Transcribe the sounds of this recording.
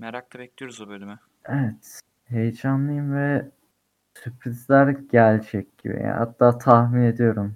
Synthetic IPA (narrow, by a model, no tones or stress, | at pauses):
meɾak̚t̪ʰˠabɛc̚lʲijoɾuzubøjlʲemɪ | evɛt̪ | he̞jd͡ʒanlˠɯjɯmvɛ | sypʰɾizlʲæɾɟælʲd͡ʒɛc̚ʲɟibḭja̰ha̰t̪ʰːaːt̪ʰahmine̞d̪ijo̞ɾum